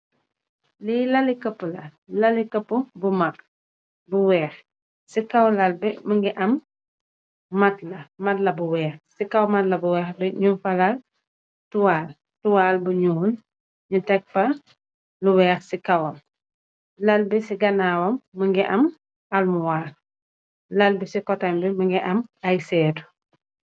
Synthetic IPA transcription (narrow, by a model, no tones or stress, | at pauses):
lilɐlikəpːulɐlɐlikɐpːubumɐk | buwɛːx | sikɐwlɐlbɛməŋɡiʔɐm | mɐtlɐmɐtlɐbuwɛːxsikɐwmɐtlɐbuwɛːxbɛɲufɐlal | tuwaːl | tuwaːlbuɲuːn | ɲutɛk̚pɐ | luwɛːxsikɐwɔm | lɐlbisiɡɐnaːwɔmːəŋɡiʔɐm | ʔɐlmuwaːl | lɐlbisikɔtɐmbiməŋɡiʔɐmɐjsɛːdu̥